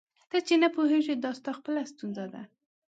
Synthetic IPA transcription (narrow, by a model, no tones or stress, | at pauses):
d̪̥at͡ʃenapoɦeʒid̪ɑst̪ɑxpəlast̪unzad̪a̰